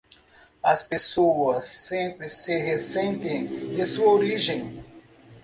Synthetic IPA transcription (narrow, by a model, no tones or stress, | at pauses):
ɐspesoɐsːẽmpɾɪsɪɦesẽnt̪ẽj̃d̪ɪsuɐoɾiʒẽj̃